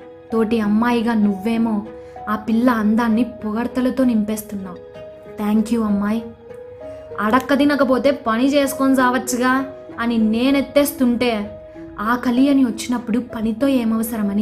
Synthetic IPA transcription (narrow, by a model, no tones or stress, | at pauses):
t̪o̞ːʈiɐmːaːjiɡaːnuʋːe̞ːmo̞ː | aːpilːɐːnd̪aːnːipɔɡɐɾt̪ɐlɐt̪o̞ːnimpe̞ːst̪unːaːm | t̪ʰaːŋkjuːɐmːaːj | ɐɽɐkːɐd̪inɐkɐpo̞ːt̪e̞ːpɐnit͡ʃeːsu̥konsaːʋɐt͡ʃːɐɡaːɐnine̞ːnet̪ːe̞ːst̪uɳʈe̞ː | aːkɐlijɐniʋɐt͡ʃːinɐpːuɽupɐnit̪o̞ːeːmɐʋɐsɐɾɐmɐni